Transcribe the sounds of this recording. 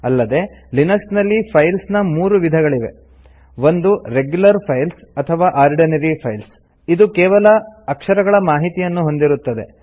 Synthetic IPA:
ɐlːɐd̪e̞linɐksnɐlːipʰɐjlsnɐmuːɾuʋid̪ʱɐɡɐɭiʋe̞̰ | ʋo̞nd̪uɾe̞ɡjulɐɾpʰɐjlsɐt̪ʰɐʋaːʔaːɾɖinɐɾipʰɐjls | id̪ukɛːʋɐlɐɐkʂɐɾɐɡɐɭɐmaːɦit̪ijɐnːuɦo̞nd̪iɾut̪ːɐd̪e̞̰

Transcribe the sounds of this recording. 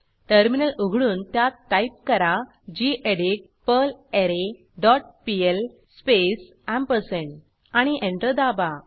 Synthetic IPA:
ʈəɾminəlʔuɡʱɽuːnt̪jat̪ːajp̚kəɾa | d͡ʑiʔeɖik̚ | pəleɾe | ɖɔʈ̚piel | spes | ãmpəsẽɳʈ | aɽ̃iʔẽɳʈəd̪aba

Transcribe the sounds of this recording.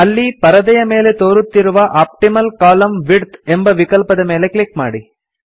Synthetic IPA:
ɐlːipɐɾɐd̪ɐjɐme̞ːlet̪oːɾut̪ːiɾuʋɐʔaːp̚ʈimɐlkaːlɐmʋiɽt̪embɐʋikɐlpɐd̪ɐme̞ːle̞klik̚ma̰ːɽi

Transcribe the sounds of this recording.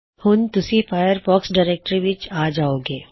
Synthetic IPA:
hʊnt̪ʊsifaːjəɾfɔːksɖaːɾeːk̚ʈɾiʋɪt͡ʃaːd͡ʒaːoːɡeː

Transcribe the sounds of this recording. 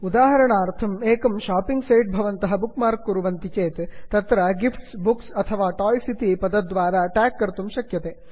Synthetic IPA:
ud̪aːɦɐɾɐɳaːɐɾt̪ʰɐmeːkɐmʃaːpiŋɡseːjʈ̚bʱɐʋɐnt̪ɐɦɐbukmaːɾkːuɾuʋɐnt̪it͡ʃeːt̪t̪ɐt̪ɾɐɡifʈsbuksɐt̪ʰɐʋaːʈaːjsit̪ipɐd̪ɐd̪ʋaːɾaːʈaːkːɐɾt̪umʃɐkjɐt̪eː

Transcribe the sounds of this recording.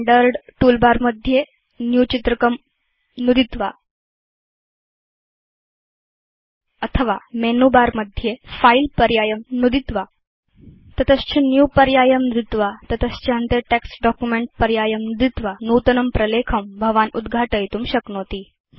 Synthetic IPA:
ɖəɾɖʈulbaɾməd̪ʱje | njut͡ɕit̪ɾəkəm | nud̪it̪ʋa | ət̪ʰəʋamenubaɾməd̪ʱjefailpəɾjajəmnud̪it̪ʋa | t̪ət̪əst͡ɕinjupəɾjajəmnɾit̪ʋat̪ət̪əst͡ɕənt̪eʈeksɖɔkjumeɳʈ̚pəɾjajəmnud̪it̪ʋanut̪ənəmpɾəlekʰəmbʱəʋanud̪ɡʱaʈəjt̪uːmɕəknot̪iː

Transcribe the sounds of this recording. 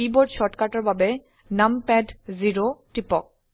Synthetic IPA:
iboɖʃɔʈkaʈaɾbabe | nampɛɖziɾoʈipɔk̚

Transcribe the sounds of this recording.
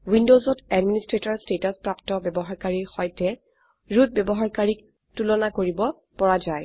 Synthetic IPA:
windozɔtɛdministɹetɔɹstetɔspɹaptɔbɛbɔɦaɹkaɹiɹxɔjtɛ | ɹut̚bɛbɔɦaɹkaɹik̚ | tulɔnakoɹibɔ | pɔɹazaj

